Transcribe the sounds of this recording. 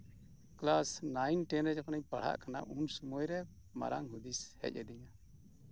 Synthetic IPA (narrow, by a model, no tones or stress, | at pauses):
klasnajnʈɛnɾɛd͡ʒɔknɛɲpaɽ̤a̰ʔkana̰ʔunsumɔjɾɛ | ma̰ɾaŋɦud̪ishɛ̰c̚ˀɛd̪iɲa